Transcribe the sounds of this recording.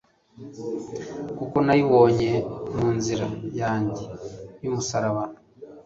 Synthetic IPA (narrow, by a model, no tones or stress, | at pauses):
kukonajiβo̞ːɲe̞muːnziɾajaːɲɟejumusaɾaβanu